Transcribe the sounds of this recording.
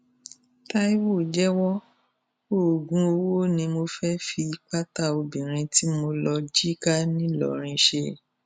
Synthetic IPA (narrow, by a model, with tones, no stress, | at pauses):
ta˦i˦wo˦˨d͡ʒɛ˦wɔ˦ | o˦˨ɡũ˨˦o˧wo˦˨nĩ˧mo˧fɛ˦fi˧k͡pa˦ta˦˨o˧bĩ˨ɾ̃ĩ˧ti˦mo˧lɔ˧d͡ʒi˦ka˦nĩ˦lɔ̰˨ɾ̃ĩ˧ʃe˧